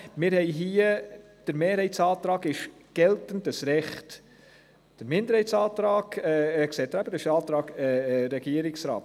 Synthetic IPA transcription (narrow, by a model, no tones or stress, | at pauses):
mɪːɾhɛɪɦiːə | d̥əɾmeːɾhɛɪtsɑːt̪ɾɑːɡɪʃɡ̥ɛltən̩dəsɾɛχt | d̥əɾmɪndəɾhɛjt͡sɑːt̪ɾɑːɡɛksɛt̪ɾæbədəʃɑːt̪ɾɑːɡɛɾɛɡiəɾɪksɾɑ̰ːt